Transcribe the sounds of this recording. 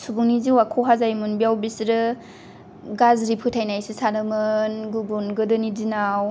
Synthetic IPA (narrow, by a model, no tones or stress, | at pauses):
subuŋniziwakʰɔɦazajmunbiawbisɾɯ | ɡazɾipʰɯtʰajnajsisanɯmɯnɡubunɡɯdɯnidinaw